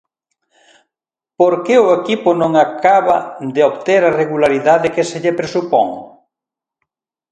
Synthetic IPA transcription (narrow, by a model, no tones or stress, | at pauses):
poɾkeʊekipʊnõŋakaβɐd̪eoβt̪eɾareɣulaɾiðaðɪkeseʎepɾesupɔ̰ŋ